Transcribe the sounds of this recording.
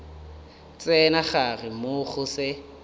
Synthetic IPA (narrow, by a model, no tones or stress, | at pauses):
t͡sʼɛnaχarɪmʊχʊsɪ